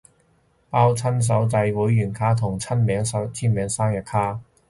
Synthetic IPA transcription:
paː˥wt͡sʰɐ˥ns̬ɐ˨˥wt͡sɐ˧jwuː˨˥jːyː˨˩nkʰaː˥t̪ʰʊ˨˩ŋt͡sʰɐ˥nmɛː˨˥ŋsɐ˨˧t͡sʰiː˥nmɛː˨˧˥ŋsaː˥ŋjɐ˨t̚kʰaː˥

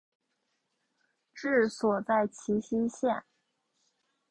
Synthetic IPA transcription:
ʈ͡ʂɻ̩˥˩swɔ˨˩t͡sa˥˩ɪt͡ɕʰi˧˥ɕi˥ɕjɛ˥˩n

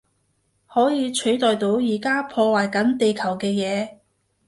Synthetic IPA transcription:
hɔː˨˥jiː˨˧t͡ʃʰɵ˨˥ɥt̪ɔː˨jt̪o˨˧˥wjiː˨˩kaː˥pʰɔː˧waː˨jkɐ˨˥nt̪e˨jkʰɐ˨˩wkɛː˧jɛː˨˧

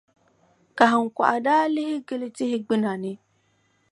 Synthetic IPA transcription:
ka˨ɦɪ˨ŋ̩˨kʷa̰˨ʔa˨daː˦lɪ˦ɦɪ˦ɡɪ˦lɪ˦tɪ˦hɪ˦ɡ͡bɪ˦na˨nɪ˦

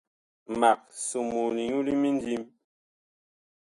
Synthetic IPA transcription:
ma˨k̚su˨mu˨li˨ɲu˦li˦mi˦n˦di˦m

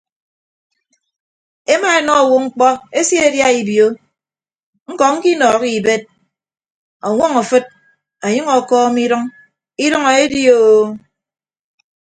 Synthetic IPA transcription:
e˦ma˦e˨nɔ˦˨wu˦ŋ̩˦k͡pɔ˦e˦sji˦e˦dja˦i˨bjo˦ | ŋ̩˦kɔ˨ŋ̩˦ki˦nɔː˨ki˨be˦t̚ | ɔ˨ŋʷɔ˦ŋɔ˨fɨ˦t̚ | a˨ɲʌ˦ŋɔ˨kɔː˦mi˦ɾɨ˦ŋ | i˦ɾʌ˦ŋɔ˨e˦di˦o˨

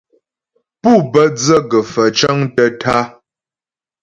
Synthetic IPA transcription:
pu˦˨bə˦d͡zə˦ɡə˨fə˨t͡ʃə˦ŋtə˦tʰa˦

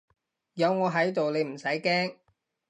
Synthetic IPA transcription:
jɐ˨˧wŋɔː˨˧ɦɐ˨˥jt̪o˨wle˨˧m̩˨˩sɐ˨˥jkɛː˥ŋ

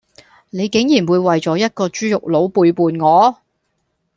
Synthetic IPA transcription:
ne˨˧jkɪ˨˥ŋjiː˨˩nwuː˨˧jwɐ˨jt͡sɔː˨˧˥jɐ˥t̚kɔː˧t͡ʃyː˥jʊ˨k̚lo˨˥wpuː˧jpuː˨nŋɔː˨˧

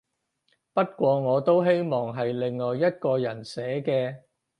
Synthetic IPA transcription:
pɐ˥t̚kʷɔː˧ŋɔː˨˧t̪o˥wɦe˥jmɔː˨˩ŋɦɐ˨jlɪ˨ŋːɔː˨jːɐ˥t̚kɔː˧jɐ˨˩nsɛː˨˥kɛː˧

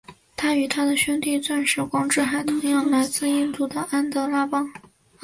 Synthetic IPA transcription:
t̪ʰa˥y˨˩t̪ʰa˥d̪ə˨ɕɥɛ˥nt̪i˥˧t͡swa˥˧nʂɻ̩˥˩kwɑ˥ŋʈ͡ʂɻ̩˥˩xa˧˥ɪt̪ʰʊ˧˥ŋjɑ˥˩ŋla˧˥ɪt͡sɹ̩˥˧i˥nt͡s̪u˥˩d̪ə˩a˥nt̪ɤ˧˥la˥pɑ˥ŋ

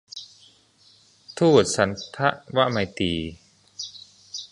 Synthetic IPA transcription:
t̪ʰuː˥˩t̪̚sa˩˦nt̪ʰa˦˥ʔwa˦˥ma˧jt̪iː˧

